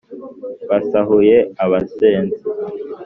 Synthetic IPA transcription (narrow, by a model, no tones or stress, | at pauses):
βasaɦujeaβaseːnzi